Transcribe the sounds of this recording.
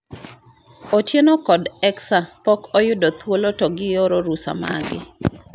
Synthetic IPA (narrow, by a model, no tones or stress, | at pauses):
ot͡ʃjenokɔdɛksapɔkɔjʊdot̪wolotɔɡɪjoɾoɾusa̰ma̰ɡɪ̰